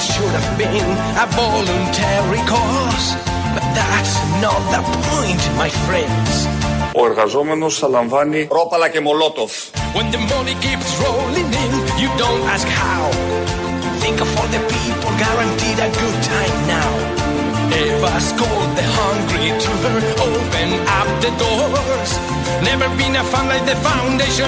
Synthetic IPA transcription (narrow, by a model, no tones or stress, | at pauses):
ʃʊɾəvbɪ̃n | əvɔlɨ̃ntʰɛɹikʰɔɹs | b̥ʌt̪̚ðætsnət̪̚ðəpʰɔ̃ɪ̃ntmaɪfɹɛ̃ndz̥oɛɾɣazɔmenosalãɱvaniɾɔpalakemɔlɔtɔf | wɛ̃nðəmʌnikipsɹoʊlɪ̃ŋɪ̃njɨdõʊ̃ntæskhaʊ | θɪ̃ŋkʌvə˞ðɨpʰipəl̩ˠɡaɹãntiɾɨɡʊd̚tʰãɪ̃mnaʊ | ɛvaskɔlˠd̪̚ðɨhʌ̃ŋɡɹitʰuə˞ | oʊpɨ̃nʌp̚ðɨdɔ | z̥ | nɛvə˞bĩnəfãmlaiðɨfãʊ̃ndeʃɨ̃